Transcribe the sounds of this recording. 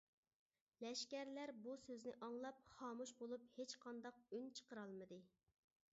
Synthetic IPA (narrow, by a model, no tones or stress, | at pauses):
lɛʃkʲæɾlæɾbusøznɪʔɑŋlˠɑp̚χɑːmuʃbolˠuphet͡ʃqʰɑnd̪ɑq̚ynt͡ʃʰə̥qəɾɑlˠmɨd̪ɨ